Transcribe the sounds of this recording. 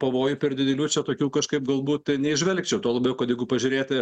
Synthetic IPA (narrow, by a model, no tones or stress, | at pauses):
pɐʋoːjʊpʲɪrʲd̪ʲɪd̪ʲɛlʲuːt͡ʃʲɛt̪oːkʲuːkɐʃkɐɪp̚ɡɐlˠbuːt̪nʲɛɪʒʲʋʲɛlʲkt͡ʃʲɛʊt̪oːlˠɐbʲɛʊkɐt̪jɛɪɡʊpɐʒʲʊɾʲeːt̪ʲɪ